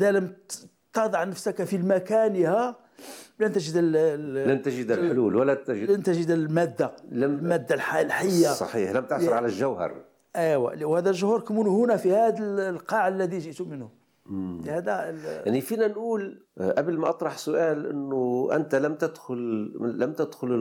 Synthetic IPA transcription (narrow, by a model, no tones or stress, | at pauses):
ʔəd̪æləm | t̪ɑd̪ˤɑʕnəfsəkæfilmækænihæ | lænt̪æʒəd̪əllænt̪ʒəd̪lħluːlwəlːæt̪ʒəlænt̪æʒəd̪əlmæd̪ːalmmæd̪ːalħalħəjːasˤɑ̰ħiːħlæmt̪əʕɾʕalælʒæwhɑ̰ɾˤ | ʔiwæ̰liwhæd̪ælʒʊhɾkəmunhʊnæfihæd̪əllqɑʕlːæd̪iʒəʔt̪umənhʊm | hæd̪æjjaʕnifinænʔuːlʔæbəlmæʔɑt̪ˤɾˤɑħsʊʔælʔə̰nːʊʔə̰nt̪æləmt̪æd̪xʊlːæmt̪əd̪xʊlə